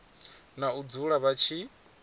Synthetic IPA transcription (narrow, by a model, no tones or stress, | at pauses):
naud͡zuɺaβat͡ʃʰi